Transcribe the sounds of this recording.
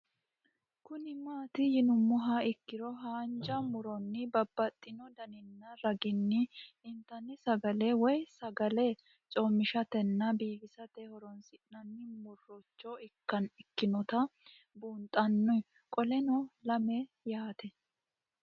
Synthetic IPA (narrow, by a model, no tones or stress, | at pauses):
kʊnɪmaːt̪ɪjɪnʊmːʊɦɐɪkːɪɾɔɦaːnd͡ʒɐmʊɾɔnːɪbɐbːɐt̪ʼːɪnɔd̪ɐnɪnːɐɾɐɡɪnːɪɪnt̪ːɐnːɪsɐɡɐlewɔjsɐɡɐle | t͡ʃʼoːmːɪʃɐt̪ɛnːɐbiːbɪsɐt̪ɛhɔɾɔnsɪnɐnːɪmʊrːɔt͡ʃːɔɪkːɐnɪkːɪnɔt̪ɐ | buːnt̪ʼːɐnːɔj | kʼɔlɛnɔlɐmɛ | jaːt̪ɛ